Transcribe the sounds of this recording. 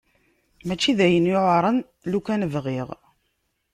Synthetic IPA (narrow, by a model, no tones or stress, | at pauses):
mæt͡ʃːiðæjənjoʕɾˤən | lukænəvʁiʁ